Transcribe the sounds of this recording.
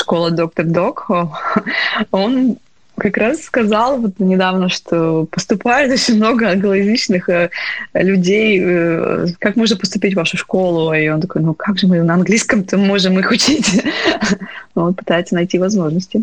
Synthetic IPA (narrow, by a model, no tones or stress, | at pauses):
ʂko̞lˠəd̪o̞k̚t̪ərd̪oko | o̞n | kɐkɾasːkɐzalˠvot̪nʲɪd̪avnəʂt̪ʰopəst̪ʊpajɪt̪o̞t͡ɕɪnʲmno̞ɡəɐnɡəlˠɐɪzʲnʲit͡ɕnɨxəlʲʉdʲej̰ | kakmo̞ʐnəpəst̪ʊpʲitʲvaʂʊʂko̞lˠʊio̞nt̪ɐko̞jnukaɡʐɨmɨnəɐnɡlʲiskəmt̪omːo̞ʐɨmixʊt͡ɕitʲ | uvt̪pɨ̥t̪ajɪt̪sənɐjtʲivɐzmo̞ʐnəsʲtʲɪ